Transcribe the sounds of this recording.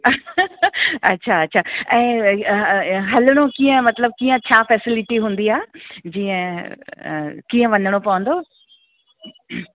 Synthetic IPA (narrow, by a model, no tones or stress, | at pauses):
ɐ̰tːɕʰaɐtːɕʰaɛ̃ː | ɦɐləɽ̃okiːə̃mɐt̪ləb̚kiːə̃t͡ɕʰaːfɛːsɪlɪʈiɦũːnd̪iaːd͡ʑiːə̃ | kiːə̃ʋɐ̃nəɽ̃opɐʋə̃nd̪oː